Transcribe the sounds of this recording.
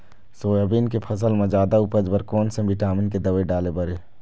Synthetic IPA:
soːjabiːnkepʰɐs̬əlmẽd͡ʒaːd̪aupəd͡ʒbəɾkoːnsẽbɪʈaːmɪnked̪ɐʋeɖaːlebɐɾeː

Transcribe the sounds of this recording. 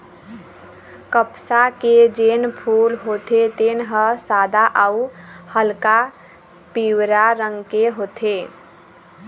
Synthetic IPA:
kəpsaked͡ʒenpʰulɦot̪ʰet̪enɦəsad̪aʔauhəlka | piwɾaɾəŋɡkeɦot̪ʰe

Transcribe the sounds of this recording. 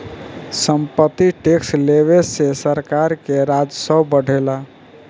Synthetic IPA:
səmpət̪ːiʈeksleβesesəɾkaɾkeɾad͡ʒsəbbəɽ̤ʱela

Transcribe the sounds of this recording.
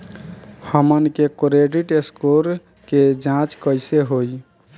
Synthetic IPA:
həmənkekɾeɖiʈeskoɾ | ked͡ʒãt͡ʃkəjseɦoj

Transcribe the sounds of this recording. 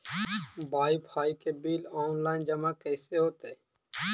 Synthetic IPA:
bʱaːiːpʰaːikebiːloːnlaːɪnd͡ʒəmaːkɛːseɦoːt̪eː

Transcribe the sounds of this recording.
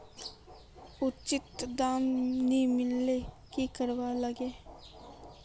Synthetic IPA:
ʊt͡ʃɪt̪d̪aːmnimɪlːe | kikəɾwaləɡeː

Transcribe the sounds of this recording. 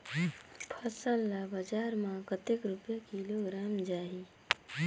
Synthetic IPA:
pʰəsəlːabəd͡ʒaɾmãkət̪ekɾupjakiloɡɾamd͡ʒaɦi

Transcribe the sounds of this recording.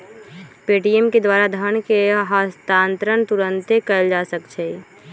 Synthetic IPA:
peːʈiɛmked̪waːɾad̪ʱañkeɦast̪aːnt̪ɾənt̪ʊɾə̃nt̪ekəld͡ʒaːsəkt͡ʃʰɛ

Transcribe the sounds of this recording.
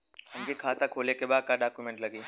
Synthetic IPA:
ɐmkikʰaːt̪akʰoːlekebaːd̪̚kaɖaːkjumẽɳʈlɐɡiː

